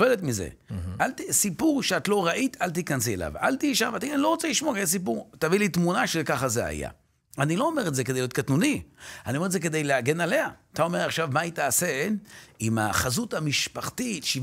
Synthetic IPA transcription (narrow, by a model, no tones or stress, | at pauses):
eletmizḛaltisipuʁʃeatlo̞ʁaʔit̪alt̪̬ikanziela̰va̰ltiʃamvataɡenlo̞ʁot͡seliʃmokes̬ipuʁt̪avilitmunaʃekaχazea̰ja̰ | anilo̞omeʁetzeked̪jljotkat̪nunianiomeetdzek̬e̞d̪ejleaɡe̞nale̞aat̪ao̞meʁaχʃavmait̪aːsenima̰χazuthamiʃpaχtitʃi